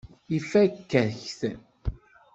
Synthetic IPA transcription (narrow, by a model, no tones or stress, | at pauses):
ifækːəɾçθ